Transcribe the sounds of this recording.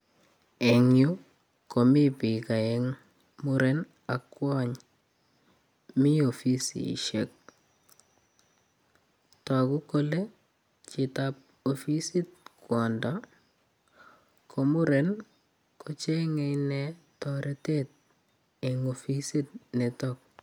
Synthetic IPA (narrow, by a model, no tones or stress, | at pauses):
ɛŋju | komipikaeŋ | mʊɾen | akːwaɲ | miofisḭʃek̚ | takukole | t͡ʃɪtap̚ | ofisit̚kwɔndɔ | kʰomuɾen | kʰot͡ʃeŋɛjnɛtɔɾʔetet̚ | eŋofisit̚netɔk̚